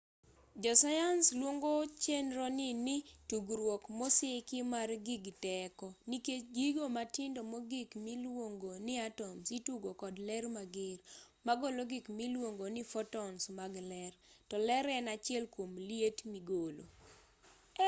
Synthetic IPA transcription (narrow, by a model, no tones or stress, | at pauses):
d͡ʒɔsajanslwoŋɡot͡ʃenɾɔnɪnɪtuɡɾwɔkmɔsɪkɪmarɡɪɡtɛkɔnikeɡiɡomatɪndomɔɡɪkmilwoŋɡonɪatɔmsituɡokɔdlɛrmaɡɪɾ | maɡoloɡɪkmilwoŋɡonɪfɔtɔnsmaɡlɛrtɔlɛɾɛnat͡ʃɪɛlkwomlietmiɡolo